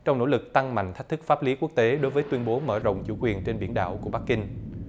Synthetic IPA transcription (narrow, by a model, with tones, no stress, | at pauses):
t͡ɕɔ˧wŋ͡mno̰˧˥lɨ˨˩k̚t̪a˧ŋma̰˧˨ŋ̟t̪ʰa˦˥k̚t̪ɨ˦˥k̚faː˦˥p̚li˨˦ku˦˥ək̚t̪e˨˦ɗo˨˦jvəː˨˦jt̪wi˧ənɓo˨˦məː˧˩zə̰˧˨wŋ͡mt͡ɕṵ˧˩kwi˨˩ənt͡ɕe˧nɓḭ˧˩ənɗa̰ː˧˨wku˧˩əɓa˦˥kːï˧ŋ̟